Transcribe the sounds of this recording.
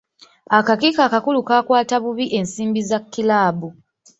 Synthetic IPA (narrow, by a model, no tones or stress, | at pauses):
akakikaːkakulukaːkwaːtaβuβiʔe̞nsiːmbizakːilaːbu